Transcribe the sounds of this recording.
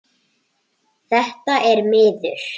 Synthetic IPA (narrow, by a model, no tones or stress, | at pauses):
θɛht̪aʔɛɾmɪːðʏɾ̥